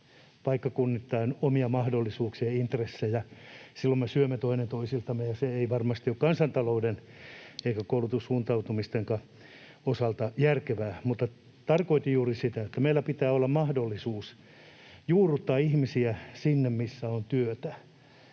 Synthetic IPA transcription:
pɑikːɑkunːit̪ːɑinomiɑmɑhdolːisuːksiɑint̪resːejɑsilːommesyømːet̪oinent̪oisilt̪ɑmːejɑseeiʋɑrmɑst̪iokkɑnsɑnt̪ɑlouden | eikækoulut̪ussuːnt̪ɑut̪umist̪eŋkɑ | osɑlt̪ɑjærkeʋæːmut̪ːɑ | t̪ɑrkoit̪ijuːrisit̪æet̪ːæmeilːˑæpit̪æːolːɑmmɑhdolːisuːs | juːrut̪ːɑːihmisiæsinːemmisːæont̪yøt̪æ

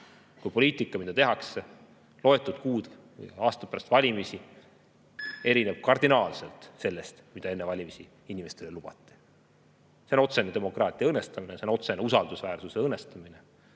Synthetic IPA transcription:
kujpo̞lʲiːt̪ˑikːˑɑmid̪ɑt̪e̞ɦɑkse | lo̞e̞t̪ːˑud̪̥kuːd̪̥ | v̰jɑːst̪ɑpæɾɑst̪vɑlʲimisi | e̞ɾineb̥̚kɑrd̪inɑːlse̞lt̪se̞lːe̞st̪mid̪̥ɑe̞nːevɑlʲimisi | inʲime̞st̪e̞lelub̥ɑ̰t̪ːˑi̥ | seno̞t̪se̞net̪e̞mo̞kˑrɑːt̪ˑijɑɤnːest̪ɑmineseno̞t̪se̞neusɑld̪usvæːrsuse̞ɤnːest̪ɑmine

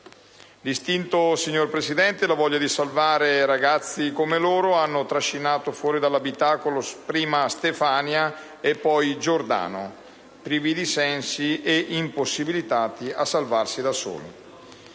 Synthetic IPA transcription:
list̪int̪osiɲːorpɾesid̪ɛnt̪elavɔʎːad̪isalvaːɾeɾaɡat̪sːikomeloːɾoanːot̪ɾaʃːinaːt̪ofwɔːɾid̪alːabit̪aːkolospɾiːmast̪efaːnja | epːɔjd͡ʒord̪a̰ːno | pɾiːvid̪isɛnsieʔimposːibilit̪aːt̪iasːalvarsid̪aso̰ːlḭ

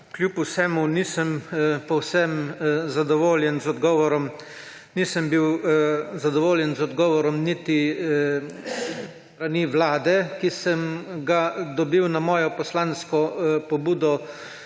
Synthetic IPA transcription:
kljupusɛmuniːsəmpɔwsɛmzad̪ɔʋoːljɛnzɔd̪ɡɔːʋɔɾɔm | nisəmbiwzad̪ɔʋoːljɛnzɔd̪ɡɔːʋɔɾɔmnit̪i | t̪ɾaniʋlaːd̪ɛkisəmɡad̪ɔbiwnamɔːjɔpɔslaːnskɔpɔbuːd̪ɔ

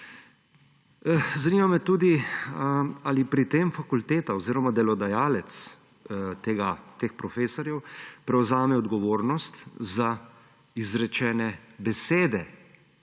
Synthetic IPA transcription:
zaniːmamɛt̪uːd̪i | alipɾit̪eːmfakult̪eːt̪aɔziːɾɔmad̪ɛlɔd̪ajaːlɛt̪s | t̪eːɡat̪eːxpɾɔfeːsɔɾjɛwpɾɛwzaːmɛɔd̪ɡɔʋoːɾnɔst̪za | izɾɛt͡ʃɛːnɛbɛseːd̪ɛ

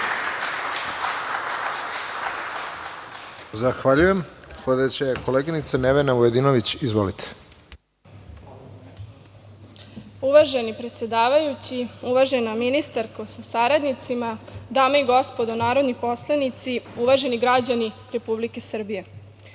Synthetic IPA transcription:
zaxʋaʎuje̞msled̪et͡ɕeko̞leɡinit̪saneʋenaojed̪inoʋit͡ɕizʋolit̪ʰe̥ | uʋaʒenipɾet̪sje̞d̪aːʋajut͡ɕiuʋaʒenominist̪aɾkosasaɾad̪nit̪simad̪aːmaiɡo̞spod̪onaːɾo̞d̪nipo̞slˠanit̪siuʋaʒe̞niɡɾad͡ʑaniɾe̞publike̞sr̩bije̞

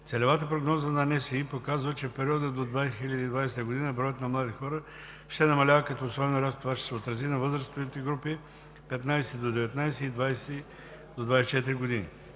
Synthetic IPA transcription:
t̪sɛlʲɛvat̪əpɾoɡnɔzənɐnɛsiipokazvət͡ʃɛfpɛɾʲiɔd̪əd̪od̪vajxilʲɐd̪id̪vajsɛt̪əɡod̪inəbɾɔjət̪nɐmlˠad̪ixɔɾə | ʃt̪ɛnɐmɐlʲavəkɐt̪oːsɔbɛnoɾʲast̪ovaʃt̪ɛ̥sɛot̪ɾɐzinɐvɤzɾəst̪ot̪ɛɡɾupi | pɛt̪najsɛd̪od̪ɛvɛt̪najsɛid̪vajsɛ | d̪od̪vajsɛt͡ʃɛt̪iɾiɡod̪inḭ

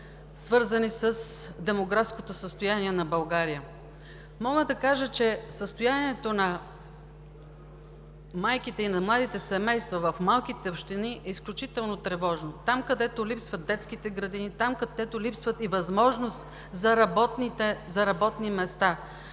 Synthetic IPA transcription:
svɤɾzənisəsd̪ɛmoɡɾafskot̪osəst̪ojaniɛnɐbɐlˠɡaɾijə | mɔɡəd̪ɐkaʒət͡ʃɛsəst̪ojaniɛt̪onɐ | majkit̪ɛinɐmlˠad̪it̪ɛsɛmɛjst̪vɐvɐfmalˠkit̪ɛopʃt̪iniʔɛisklʲut͡ʃit̪ɛlˠnot̪ɾɛvɔʒnot̪amkɐd̪ɛt̪olipsvɐt̪̚d̪ɛt̪skit̪ɛɡɾɐd̪init̪amkɐd̪ɛt̪olipsvət̪ivɐzmɔʒnost̪ | zɐɾɐbɔt̪nt̪ɛzɐɾɐbɔt̪nimɛst̪a

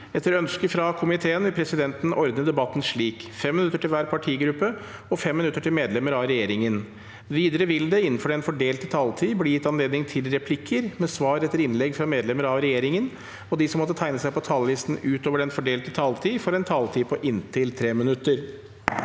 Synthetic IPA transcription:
ɛt̪ːəɾœnskəfɾɑkʰʊmɪt̪ʰeːənʋɪlpʰɾɛsɪd̪ɛnt̪n̩ʔɔɾd̪nəd̪ɛbɑt̪ːn̩ʂɭiːkfɛmːɪnʉt̪ːəʈɪlʋæːɾpʰɑʈʰiːɡɾʉpːə | ɔfɛmːɪnʉt̪ːəʈʰɪlmeːd̪lɛmːəɾɑʋɾɛjeːɾɪŋən | ʋiːd̪əɾəʋɪld̪ɛɪn̩ːfɔɖɛnfɔɖeːlt̪ət̪ʰɑːlt̪ʰiːblɪjɪt̪ːɑnleːd̪nɪŋt̪ʰɪlɾɛpʰlɪkʰːəɾmɛsʋɑːɾɛt̪ːəɾɪnlɛɡfɾɑmeːd̪lɛməɾɑʋɾɛjeːɾɪŋən | ɔd̪ɪsɔmːɔt̪ːət̪ʰæɪnəsæɪpɔt̪ʰɑːləlɪst̪n̩ʉːt̪oːʋəɖɛnfɔɖeːlt̪ət̪ʰɑːlt̪ʰiːfɔɾɛnt̪ʰɑːlt̪ʰiːpʰɔʔɪnt̪ʰɪlt̪ʰɾeːmɪnʉt̪ːəɾ

